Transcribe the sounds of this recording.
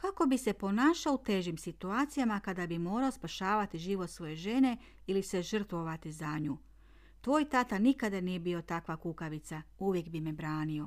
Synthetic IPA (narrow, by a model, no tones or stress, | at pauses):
kako̞bise̞po̞naːʃaout̪e̞ːʒimsit̪uaːt̪sijamakad̪abimo̞ːɾao̞spaʃaːʋat̪iʒiːʋo̞t̪sʋo̞je̞ʒe̞ne̞ | ilise̞ʒr̩t̪ʋo̞ʋat̪izaɲuː | t̪ʋo̞ːjt̪at̪anikad̪anije̞bio̞t̪akʋakukaʋit̪sauʋje̞kbimebɾaːnio̞